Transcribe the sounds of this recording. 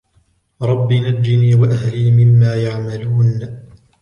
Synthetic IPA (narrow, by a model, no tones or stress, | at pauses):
ɾˤɑbːiːnad͡ʒːɪniːwaʔahliːmɪmːaːjaʕmaluːn